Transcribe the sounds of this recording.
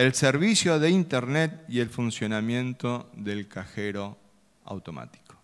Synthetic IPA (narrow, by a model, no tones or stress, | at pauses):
elseɾβisjoðeint̪eɾnet̪ielfunsjo̞namjẽ̞nt̪oðelkaxeɾo | a̰wt̪oma̰t̪i̥ko̥